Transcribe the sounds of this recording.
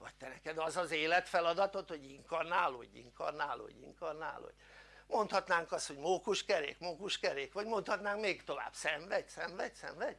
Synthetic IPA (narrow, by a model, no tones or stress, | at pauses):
vɒc̚t̪ɛnɛkɛd̪ɒzɒzeːlɛt̪fɛlɒd̪ɒt̪o̞t̪hoɟiŋkɒrnaːlo̰ɟḭŋkɒrnaːlo̰ɟḭŋkɒrna̰ːlo̰ɟ̥ | mont̪hɒt̪naːŋkɒst̪ho̞ɟmoːkuʃkɛɾeːkmoːkuʃkɛɾeːkʋɒɟmo̞nt̪hɒt̪naːŋkmeːɡt̪o̞va̰ːb̥sɛɱvɛɟsɛɱvɛɟ̥sɛ̰ɱvɛɟ̥